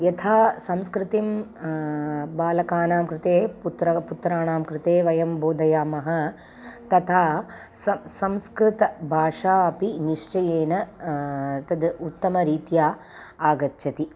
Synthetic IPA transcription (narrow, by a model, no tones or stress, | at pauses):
jɐt̪ʰaːsɐmskɾɪt̪im | baːlɐkaːnaːmkɾɪt̪eːput̪ɾɐput̪ɾaːɳaːmkɾɪt̪eːʋɐjɐmboːd̪ɐjaːmɐɦɐ̆ | t̪ɐt̪ʰaː | sɐsɐmskɾɪt̪ɐbʱaːʂaːɐpiniʂt͡ʃɐjeːnɐ | t̪ɐd̪ut̪ːɐmɐɾiːt̪jaː | aːɡɐt͡ʃːʃʰɐt̪i